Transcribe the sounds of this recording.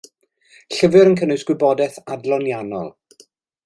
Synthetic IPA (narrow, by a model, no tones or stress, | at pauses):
ɬəvɨɾənkʰənʊjsɡ̥wɪbɔdɛθadlˠɔnjanɔ̰lˠ